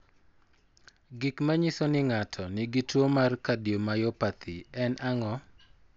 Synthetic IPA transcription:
ɡikmaɲisonɪŋatʰɔnɪɡitwomarkadjomajopat̪ʰɪɛnʔaŋɔ

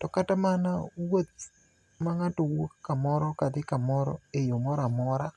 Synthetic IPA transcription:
tɔkatamanawot̪̚ | maŋatɔwokːamɔɾɔkad̪ɪkamɔɾɔ̰ejomɔɾamɔɾa

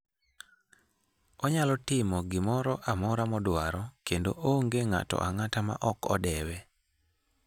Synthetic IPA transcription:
ɔɲalɔtɪmɔɡɪmɔɾɔʔamɔɾamɔdwaɾɔkendoʔoŋɡeŋa̰tɔ̰ʔaŋatama̰ʔɔkɔ̰dɛwɛ

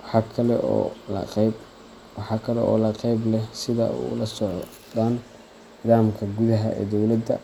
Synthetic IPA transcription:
wħɑkʰɐlɛ̰ɐ̰q | wɑħɑːkʰɐlɛ̰ʔɔ̰ːlɐqɛjblɛhsɪðɐ̰ṵlɐsɔʕ | d̪aːn | nɪðaːmkʰɐɡuðɐɦɐʔɛ̰ːd̪ɔwlɐd̪ɐ

